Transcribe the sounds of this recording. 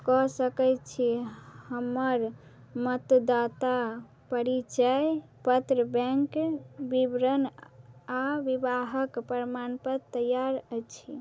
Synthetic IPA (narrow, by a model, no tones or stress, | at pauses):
kɔsəkəjt͡ʃʰihəmːəɾ | mət̪d̪at̪a | pəɾit͡ʃəj | pət̪ɾəbɛ̃ŋkbibɾən | aʋibaɦəkpəɾmanpəɾt̪əjaɾəjt͡ʃʰi